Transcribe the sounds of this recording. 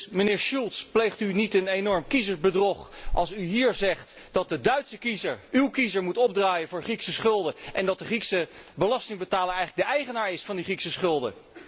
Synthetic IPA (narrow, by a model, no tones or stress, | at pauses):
mənɪːɹʃulˠtsplejχtynitənejnɔɹmkizəɹzbədrɔχʔɑ̰lˠsyɦiːɹzɛχt | d̥ɑt̚dədœɥtsəkizəɹywkizəɹmutɔb̚draːjənvʊːɹχriksəsχɵlˠdəʔɛndɑt̚dəχriksə | bəlɑstɪŋbətaːləɹɛjχələɡ̚dəʔɛjχənaːɹɪsfɑndiχriksəsχɵlˠdə̰